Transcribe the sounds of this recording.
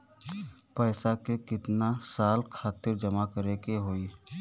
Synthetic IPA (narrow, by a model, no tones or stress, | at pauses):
pɛːsakekɪt̪nasaːlkʰaːt̪ɪɾd͡ʒɐmakəɾekeɦoːi